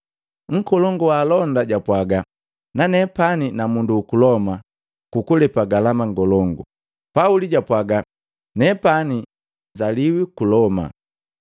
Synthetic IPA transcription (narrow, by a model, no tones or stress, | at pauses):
ŋ̩kɔlɔŋɡuwalɔndaɟapwaɡa | nanɛpaninamunduːkulɔma | kukulɛpaɡalamaŋɡɔlɔŋɡu | pauliɟapwaɡa | nɛpani | zaliwikulɔma̰